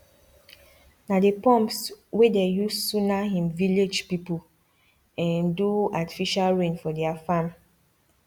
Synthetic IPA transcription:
nadepɔ̃mpswedejussunaɦĩmviled͡ʒpipu | ɛ̃nduati̥fiʃalɹẽnfɔdɛafam

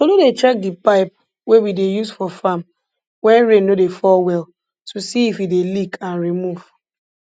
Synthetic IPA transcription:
solodet͡ʃɛk̚dipaɪp̚ | wewidejusfɔfam | wɛ̃nɹẽnodefɔlwɛl | tusiifidelikʰãnɹimuv̥

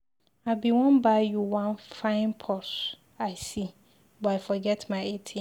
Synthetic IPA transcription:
aɪbiwɔ̃nbaɪjuwãnfãɪ̃npʰɔs | aɪsi | bɔaɪfɔɡɛtmaɪetʰĩ

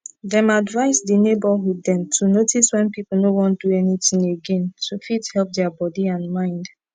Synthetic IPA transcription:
dɛ̃madvaɪsdinebəɦudːɛ̃mtʰunotiswɛ̃npipl̩ˠnowɔ̃nt̚duɛnitĩŋeɡɛ̃nsofithɛlp̚dɛabɔdiãnmãɪ̃nd

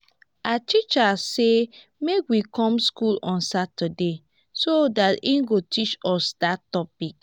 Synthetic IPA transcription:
atit͡ʃase | mekwikɔ̃mskulɔ̃nsatade | sodatĩnɡotit͡ʃɔsdatɔpik

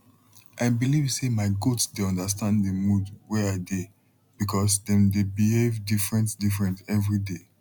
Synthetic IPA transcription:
ʔaɪbilivsemaɪɡotsdeɔ̃ndəstãnddəmudwɛaɪde | b̥ikʰɔsdɛ̃mdebihevdifɹɛ̃ntdifɹɛ̃ntɛvɹide

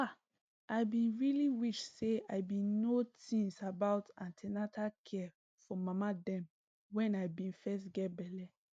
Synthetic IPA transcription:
a | aɪbĩnɹiliwiʃseaɪbĩnnotĩŋsabaʊtãntʰɛnatʰakʰɛ | fɔmamadɛ̃m | wɛ̃naɪbĩnfɛs̬ɡɛt̚bɛlɛ

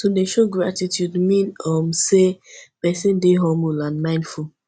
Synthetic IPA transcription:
todeʃoɡɹatitjudmĩnɔmsepɛsĩndeɦɔ̃mbulãnmãɪ̃nful

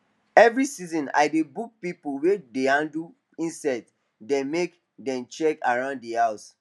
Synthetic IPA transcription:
ɛvɹisizɔ̃na̰ɪdebuk̚pipuwedehãndu | ĩnsat | dɛ̃nmek | dɛ̃mt͡ʃɛkaɹãʊ̃nddihaʊs

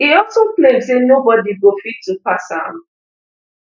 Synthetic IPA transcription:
iɔlsoplemsenobɔdiɡofitʰːupasa̰n

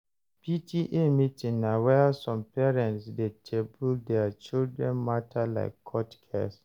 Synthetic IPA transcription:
pitʰiʔemitĩnnawɛasɔ̃mpɛɹɛ̃ntsdetʰebuldɛat͡ʃildɹɛ̃nmatʰala̰ɪkʰːɔtkʰɛ̰s

